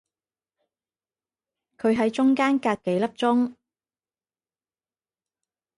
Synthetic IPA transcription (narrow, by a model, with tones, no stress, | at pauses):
kʰɵ˨˧ɥɦɐ˨˥jt͡ʃʊ˥ŋkaː˥nkaː˧kke˨˥jlɐ˥p̚t͡ʃʊ˥ŋ